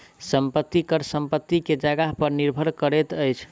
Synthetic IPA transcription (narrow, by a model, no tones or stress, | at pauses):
səmpət̪ːikəɾsəmpət̪ːiked͡ʒəɡaɦpəɾniɾbʱəɾkəɾet̪əjt͡ʃʰ